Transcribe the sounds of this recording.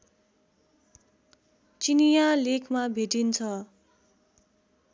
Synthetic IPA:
t͡sinijalekʰmabʱeʈint͡sʰʌ

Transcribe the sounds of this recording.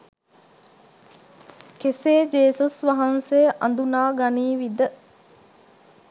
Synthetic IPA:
keseːd͡ʒeːsusʋaɦansejʔa̰nd̪unaːɡaniːʋid̪ə

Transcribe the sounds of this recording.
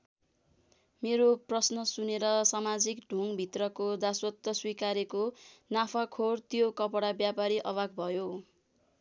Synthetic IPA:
meɾoprʌsnʌsuneɾʌsamad͡zikɖʱuŋbʱit̪rʌkod̪aswʌt̪ːʌswikaɾekonapʰakʰort̪jokʌpʌɽabjapaɾiʔʌwak̚bʱʌjo

